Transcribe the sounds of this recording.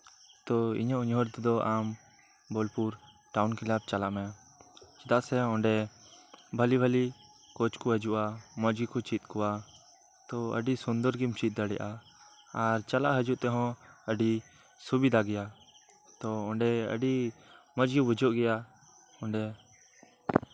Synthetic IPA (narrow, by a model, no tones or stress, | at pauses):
t̪ɔḭɲɔʔɲɦɔɾt̪ɛd̪ɔʔam | bɔlpuɾ | ʈaunkilap̚t͡ʃalaʔmɛ | t͡ʃɛd̪aʔsɛɔ̃ɳɖɛ | bʱəlibʱəli | kɔt͡ʃkɔɦəd͡ʒuʔamɔd͡ʒɡikɔt͡ʃit̪̚kɔwa | t̪ɔə̰ɖisund̪ɔɾɡimt͡ʃit̪̚d̪aɽɛ̰ʔaː | ɾt͡ʃalaʔɦəd͡ʒuʔt̪ɛɦɔ̃əɖi | subid̪ʱaɡɛja | t̪ɔɔ̃ɳɖɛə̰ɖimɔd͡ʒɡibud͡ʒɔʔɡɛja | ɔ̃ɳɖɛ